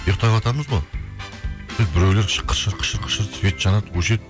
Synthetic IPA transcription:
joqt̪ɑjɑt̪ʰɑmɨzbo | sɪzbɪɾɵwleɾʃqʰəʃəɾqʰə̥ʃɪɾqʰə̥ʃəɾsvet̪ʒ̥ɑnɑt̪woʃet̪̚

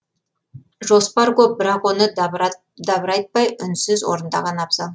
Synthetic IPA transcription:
ʒo̞spɑɾkɵp̚bɪɾɑqwo̞nə | d̪ɑbɪɾɑjt̪̚pɑjʏnsɪzwo̞̰ɾənd̪ɑ̰ʁɑnɑpzɑlˠ

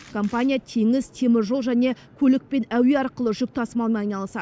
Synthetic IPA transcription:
kʰo̞mpanʲijat̪ʰe̞ŋɪzt̪ʰe̞mɪɾʒolˠʒæne̞ | kʲʰɵlɪk̚pe̞næwe̞ɑɾqəlˠəʒʏk̚t̪ʰɑsəmɑlˠmenɑjnɑlˠəsɑ

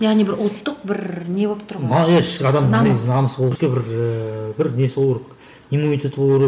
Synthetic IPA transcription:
jaʁnijbɪɾʊlˠt̪ːəqbɪɾnebopt̪ʰʊɾʁɑjaʃɪ̥ʃʲɑd̪ɑmneɡʲɪzɪnɑməsbo̞lˠɾkʲebɪɾəbɪɾne̞solˠɾək | imunit̪ʲet̪lˠoɾə

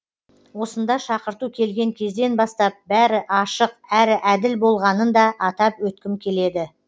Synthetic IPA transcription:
wo̞sənd̪ɑʃɑqəɾt̪ukʲʰe̞lɡʲe̞ŋkʲʰe̞zd̪e̞nbɑst̪ɑp̚bæɾɪʔɑʃəqæɾɪʔæd̪ɪlbo̞lˠʁɑnənd̪ɑʔɑt̪ɑpwɵt̪̚kʲɪmkʲʰe̞le̞d̪ɪ

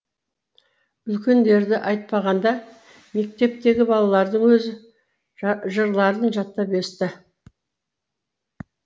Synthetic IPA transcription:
ʏlkʲe̞nd̪e̞ɾd̪ɪʔɑjt̪̚pɑʁɑnd̪ɑ | me̞k̚t̪e̞p̚t̪e̞ɡʲɪbɑlˠɑlˠɑɾd̪əɴwɵzɪ | ʒəɾlˠɑɾənʒɑt̪ːɑpest̪ɪ

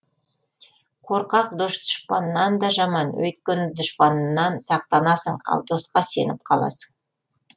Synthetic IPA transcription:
qʰoɾqɑqd̪oʃd̪ʊ̥ʃpɑnːɑnd̪ɑʒɑmɑnwɵ̰jt̪̚kʲɪnd̪ʊʃpɑnnːɑnsɑq̚t̪ɑnɑsəɴɑ̰lˠd̪osqɑse̞̰nɪp̚qʰɑlˠɑ̰sə̥ɴ

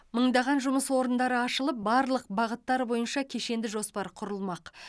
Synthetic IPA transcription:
məɴd̪ɑʁɑnʒʊməswo̞ɾənd̪ɑɾəɑʃəlˠəp̚bɑɾlˠəq̚bɑʁət̪ːɑɾbo̞jənʃɑkʲʰe̞ʃe̞nd̪ɪʒo̞spɑɾqʰʊɾəlˠmɑq

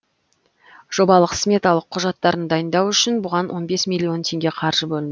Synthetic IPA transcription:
ʒ̥o̞bɑlˠəqsmʲe̞t̪ɑlˠəqʰːʊʒɑt̪ːɑɾənd̪ɑjənd̪ɑwʏʃɪnbʊʁɑnwʔo̞nbe̞smilʲˠːio̞nt̪ʰe̞ŋɡʲe̞qʰɑɾʒ̥əbɵlɪn

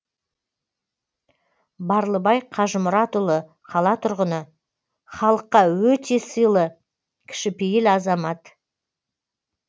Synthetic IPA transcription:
bɑɾlˠəbɑjqʰɑʒmʊɾɑt̪ʊlˠə | qʰɑlˠɑt̪ʰʊɾʁənə | χɑlˠəqːɑwɵt̪e̞səjlˠə | kʲʰɪ̥ʃɪpʰejɪlɑzɑmɑt̪

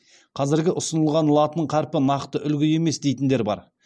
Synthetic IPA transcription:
qʰɑzɪɾɡʲɪʔʊsənəlˠʁɑnlˠɑt̪əɴqʰɑɾpɪnɑqt̪əʔʏlɡʲɪje̞me̞sd̪e̞jt̪ɪnd̪e̞ɾbɑ̰ɾ

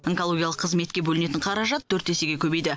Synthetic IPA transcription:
eŋko̞lˠoɡʲijalˠəqʰːəzme̞t̪̚kʲe̞bɵlɪne̞t̪ɪɴqʰɑɾɑʒɑt̪ʰːɵɾt̪ese̞ɡʲe̞kʲʰɵbejd̪ɪ

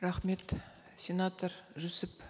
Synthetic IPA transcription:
ɾaχme̞t̪ | sʲenat̪orʒʊsɪp

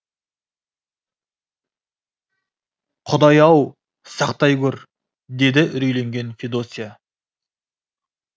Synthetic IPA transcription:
qʰʊd̪ɑjɑw | sɑqt̪ɑjkʲɵɾ | d̪e̞d̪ɪʏɾyjle̞ŋɡʲe̞nfed̪o̞sija

